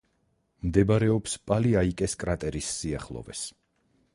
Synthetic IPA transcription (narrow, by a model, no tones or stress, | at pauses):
md̪ɛbaɾɛɔpspʼaliaikʼɛskʼɾat̪ʼɛɾisːiaχlˠɔ̰vɛ̰s